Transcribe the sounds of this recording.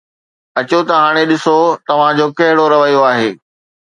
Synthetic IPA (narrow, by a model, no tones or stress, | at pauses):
ɐt͡ɕot̪ɐɦaːɽ̃eɗɪsot̪ɐʋ̤ãd͡ʑoːkɐɦɪɽoɾɐʋɐijoaːɦeː